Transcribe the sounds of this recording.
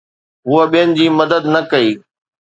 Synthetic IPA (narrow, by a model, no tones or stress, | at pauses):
ɦuːəɓijənɪ̆d͡ʑiːmɐd̪əd̪nɐkɐiː